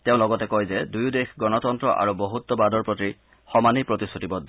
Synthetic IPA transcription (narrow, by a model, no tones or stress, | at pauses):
teʊ̃lɔɡɔtɛkɔjzɛdujudexɡɔnɔtɔntɹɔʔa̰ɹuboɦut̪ːɔbadɔɹpɹoti | xɔmanipɹot̪isutibɔd